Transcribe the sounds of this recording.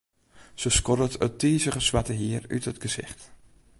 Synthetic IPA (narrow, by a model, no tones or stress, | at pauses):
səskɔdətətiːzəχəsʋatəɦiəry̰tɦətɡəzɪ̰χt